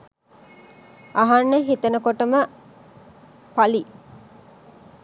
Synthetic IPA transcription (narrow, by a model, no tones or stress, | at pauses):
ʔaɦanːəɦit̪ɐnəkoʈəmə | pali